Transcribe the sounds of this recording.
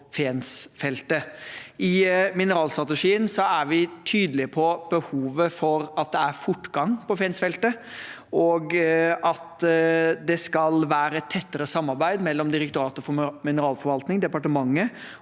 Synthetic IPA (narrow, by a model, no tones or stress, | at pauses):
feːnsfɛlt̪əɪmɪnəɾɑːlst̪ɾɑt̪əʂiːənsɔæɾʋɪt̪ʰyːd̪əlɪpʰɔb̥əhuːʋəfɔɾɑt̪̚d̪ɛæɾfʊʈːɡɑŋpɔfɛːnsfɛlt̪ə | ʔɔɡɑt̪ | d̪ɛskɑlʋæːɾəɛt̪ʰːɛt̪ːəɾəsɑmːɑɾbæɪd̪mɛlːɔmd̪ɪɾək̚t̪ʊɾɑːt̪əfɔmɪnəɾɑːlfɔɾʋɑlt̪nɪŋd̪ɛpɑʈəmɑŋːə